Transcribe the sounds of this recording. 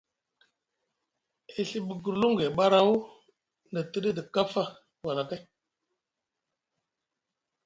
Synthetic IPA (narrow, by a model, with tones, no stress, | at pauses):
e˨ɬi˦ɓə˨ɡu˨ɾlu˦ŋɡe˨ɓa˦ɾa˦u˦ | ndə˨tə˦də˦də˨ka˦fa˦ | wa˨na˨ka˦